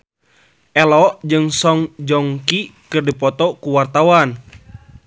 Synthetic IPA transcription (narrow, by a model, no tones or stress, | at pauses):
ʔɛlɔʔd͡ʒɨŋsɔŋd͡ʒɔŋkikɨrdipɔt̪ɔkuwart̪awan